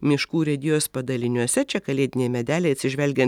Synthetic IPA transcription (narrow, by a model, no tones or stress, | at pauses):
mʲɪʃkuːɾʲɛd̪ʲɪjoːspɐd̪ɐlʲɪnʲuɔsʲɛt͡ʃʲɛkɐlʲeːd̪ʲɪnʲeːjmʲɛd̪ʲæːlʲeɪɐt̪sʲɪʒʲʋʲɛlʲɡʲɛnt̪